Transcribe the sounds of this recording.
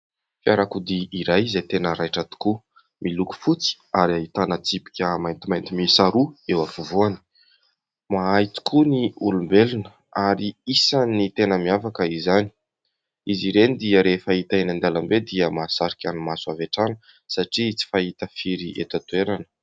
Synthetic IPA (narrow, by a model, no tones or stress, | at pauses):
fiaɾakud̪iːɾajizat̪enəɾajʈ͡ʂat̪i̥ku | miluku̥fut͡si̥ | aɾiaɦit̪anət͡sipi̥kʲəmajnt̪imajnt̪imisaɾuewafuvuani̥ | maajt̪i̥kʰuniulumbelunə | aɾiisanit̪enəmiafakəizani̥ | iziɾenid̪iəɾefait̪aenand̪alambed̪iəmasaɾikʲanimasuaveʈ͡ʂanə̥ | saʈ͡ʂit͡si̥faɦit̪əfiɾiʔḛt̪at̪ueɾanə̥